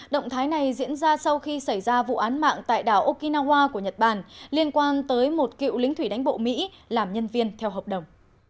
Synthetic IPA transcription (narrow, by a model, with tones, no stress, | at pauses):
ɗə̰˧˨wŋ͡mt̪ʰaː˨˦jna˨˩jzḭ˧˥ənzaː˧sa˧wxi˧sa˧˩jzaː˧vṵ˧˨ʔaː˨˦nma̰ː˧˨ŋt̪a̰ː˧˨jɗaː˧˩wʔo˧ki˧naː˧hwaː˧ku˧˩əɲə˨˩t̚ɓaː˧˩nli˧ənkwaː˧nt̪əː˨˦jmo˨˩t̚kḭ˧˨wlï˨˦ŋ̟t̪ʰwi˧˩ɗa˨˦jŋ̟ɓo̰˧˨mḭ˧˥ | laː˨˩mɲə˧nvi˧ənt̪ʰɛ˧wɦəː˨˩p̚ɗə˨˩wŋ͡m